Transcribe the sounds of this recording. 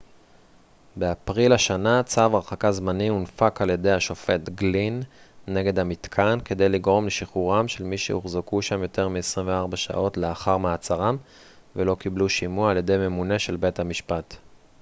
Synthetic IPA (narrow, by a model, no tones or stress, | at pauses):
beapʁilaʃanat͡savʁaχakazmaniunfakalje̞d̪ejhaʃo̞fe̞t̪ɡlinːe̞ɡe̞d̪hamitkʰanke̞d̪e̞jliɡʁo̞mleʃiχuʁamʃe̞lmiʃḛhuχzokuʃamjo̞te̞ʁmiesʁĩɱveaʁbaʃa̰ʔo̞tleaχaʁmeat͡saʁam | velo̞kibluʃimuaalje̞d̪e̞jme̞mune̞ʃe̞lbe̞thamiʃpat